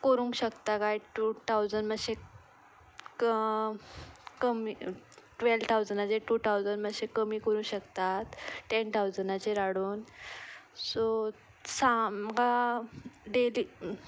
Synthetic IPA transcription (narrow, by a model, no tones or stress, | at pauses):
kəɾũŋkɕəkt̪akajʈut̪ʰawd͡zəɳɖməɕe | kə | kəmiʈʋelt̪ʰawd͡zənat͡ɕeʈut̪ʰawd͡zənməɕekəmiːkəɾũŋkɕəkt̪at̪ʈent̪ʰawd͡zənat͡ɕeɾaɽuːn | so | saka | ɖeli